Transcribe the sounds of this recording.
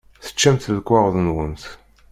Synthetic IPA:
θə̥t͡ʃːæmt̪ðəkːaʁˤðˤənwənθ

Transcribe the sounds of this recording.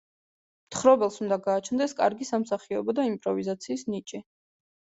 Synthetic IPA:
mt̪ʰχɾɔbɛlˠsund̪aɡaːt͡ʃʰnd̪ɛskʼaɾɡisamsaχiɔbɔd̪aimpʼɾɔvizat̪sʰiːsnit͡ʃʼi

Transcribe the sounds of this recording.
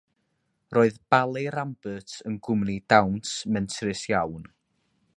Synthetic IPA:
rʔoːɨðb̥alˠeɾambətʰənɡʊmnidawntmɛntʰrɪsjawn

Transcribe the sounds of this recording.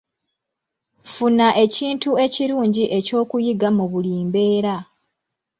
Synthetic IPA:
funaʔe̞ciːntue̞ciɾuːɲɟiʔe̞co̞ːkujiɡamuβuliːmbe̞ːɾa

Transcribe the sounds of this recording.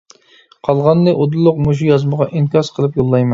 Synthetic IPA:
qʰɑlˠʁɑnːɨʔod̪ɨlˠːʊqmuʃ̬ujɑzməʁɑʔiŋkʲɑsqʰəlˠɨpjolˠːɑjmɑn

